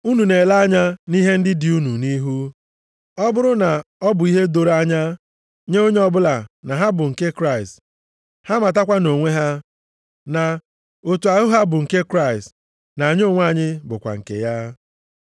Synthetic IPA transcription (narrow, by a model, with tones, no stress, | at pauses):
u˦nu˨ne˨la˦a˦ɲa˦ni˦ɦe˦n̩˦dɪ˦dɪ˨u˦nu˨ni˦ɦu˦ | ɔ˦bʊ˦ɾʊ˦na˨ɔ˦bʊ˨i˦ɦe˦do˨ɾa˦ɲa˦ | ɲe˦o˦ɲe˦ɔ˦bʊ˦la˨na˨ɦa˦bʊ˨ŋ̩˨ke˦kɾa˦˨ɪ˨st | ha˦ma˨t̬a˦kʷa˦no˨ŋʷe˦ɦa˦ | na˨ | o˨tu˨a˨ɦʊ˦ɦa˦bʊ˨ŋ̩˨ke˦kɾa˦ɪ˨st | na˨ɲ˦o˦˨ŋʷ˦a˦˨ɲɪ˦bʊ˨kʷa̰˨ŋ̩˨kḛ˨ja˦